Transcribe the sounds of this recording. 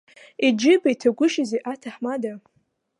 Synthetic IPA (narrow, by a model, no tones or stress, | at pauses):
id͡ʒɪbajtʰaɡʷʊʃazeʔatʰaħmada